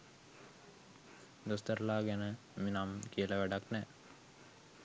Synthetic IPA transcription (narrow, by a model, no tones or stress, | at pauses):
d̪ost̪əɾəlaːɡɛnə | minamkijələʋæɖaknɛ